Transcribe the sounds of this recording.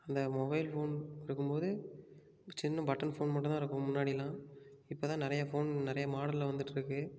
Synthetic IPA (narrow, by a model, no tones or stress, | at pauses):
ɐnd̪ɐmɔbɐɪlfoːnɪɾɯkːɯmpoːðɯ | t͡ʃɪnːɐ̃bɐʈːɐnfoːnmɐʈːɯ̃t̪aːɪɾɯkːɯmʊnːaːɽilãːɪpːoːt̪ãːnɪɾɐjɐfoːnnɪɾɐjɐmaːɽɐɪlɐʋɐnd̪ɯʈːɪɾɯkːɯ